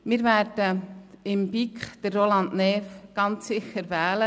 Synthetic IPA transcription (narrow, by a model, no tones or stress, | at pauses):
mɪːɾvɛːɾd̥əɪmbikχd̥ərːolɑndnɛːfɡ̥ɑnt͡ssɪxəɾʋɛːlə